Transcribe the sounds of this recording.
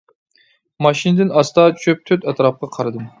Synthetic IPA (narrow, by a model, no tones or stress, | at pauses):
mɑʃinɨd̪ɨnɑst̪ɑt͡ʃʰøp̚t̪ʰøt̪ɛt̪ɾɑp̚qɑqʰɑɾɨd̪ɨm